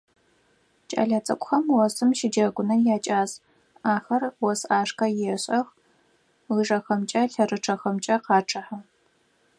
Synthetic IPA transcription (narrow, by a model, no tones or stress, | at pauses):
t͡ʃʼa̰ːɮɐt͡sʼɐ̰kʷʊxɐmwɔsɨmʃɪd͡ʒɐɡʷʊnɐjaːt͡ʃʼaːz | aːxɐrwɔsaːʂkʰɐjɛɕʼɐx | lɨʐɐxɐmt͡ʃʼɐɬɐrɨʈ͡ʂʰɐxɐmt͡ʃʼɐqɑːʈ͡ʂʰʼɨħa